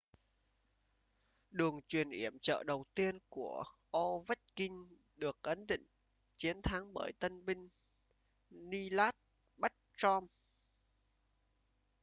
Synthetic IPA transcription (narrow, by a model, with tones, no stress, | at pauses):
ɗɨ˨˩əŋt͡ɕwi˨˩ənʔi˧˩əmt͡ɕə̰ː˧˨ɗə˨˩wt̪i˧ənku˧˩əʔɔ˧və˦˥t̚kï˧ŋ̟ | ɗɨ˨˩ək̚ʔə˨˦nɗḭ˧˨ŋ̟ | t͡ɕi˨˦ənt̪ʰa˨˦ŋɓəː˧˩jt̪ə˧nmï˧ŋ̟ | ni˧laː˦˥t̚ | ɓa˦˥t̚t͡ɕɔ˧m